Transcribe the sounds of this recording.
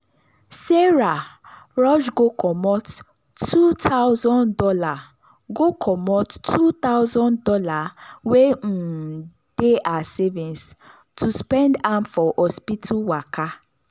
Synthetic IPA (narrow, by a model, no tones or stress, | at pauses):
seɾaɾɔʃɡokʰɔmɔtː | utʰaʊzɔ̃ndɔla | ɡokʰɔmɔtːʰut̪aʊzɔ̃ndɔlawen̩ | d̥eʔasevĩns | tʰuspɛ̃ndãmfɔʔɔspitʰuwakʰa